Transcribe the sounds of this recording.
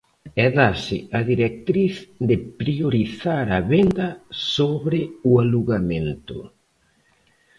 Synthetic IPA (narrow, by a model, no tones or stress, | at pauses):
ɛðasɪaðiɾɛk̚t̪ɾiθd̪ɪpɾioɾiθaɾɐβend̪ɐsoβɾɪʊaluɣamẽnt̪ʊ̰